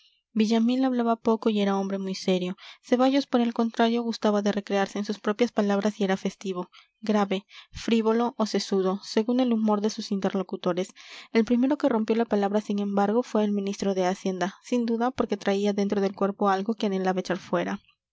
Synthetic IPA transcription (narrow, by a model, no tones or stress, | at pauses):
biʝamĩnaβlaβapo̞koie̞ɾao̞mbɾe̞mujse̞ɾjo̞se̞βaʝo̞spo̞ɾe̞lko̞nt̪ɾaɾjo̞ɣust̪aβaðe̞re̞kɾeaɾse̞ːnsuspɾo̞pjaspalaβɾasie̞ɾafe̞st̪iβo̞ | ɡɾaβe̞fɾiβo̞lo̞ʔose̞suðo̞se̞ɣune̞lumo̞ɾðe̞susint̪e̞ɾlo̞kut̪o̞ɾe̞selpɾime̞ɾo̞ke̞ro̞mpjo̞lapalaβɾasiŋẽ̞mbaɾɣo̞fwe̞ːlmĩnist̪ɾo̞ðe̞asje̞nd̪asind̪uðapo̞ɾke̞t̪ɾaiaðe̞nt̪ɾo̞ð̞e̞lkwe̞ɾpo̞alɣo̞kjenelaβaet͡ʃaɾfwe̞ɾa